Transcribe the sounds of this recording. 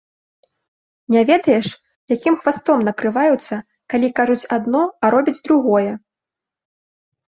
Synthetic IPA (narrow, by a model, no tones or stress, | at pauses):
nʲavʲɛd̪ɐjɛʂ | jakʲimxvast̪ɔmnɐkɾɨvajut̪sːɐ | kalʲikaʐut͡sʲad̪nɔɐɾɔbʲid͡zʲd̪ɾuɣɔjɛ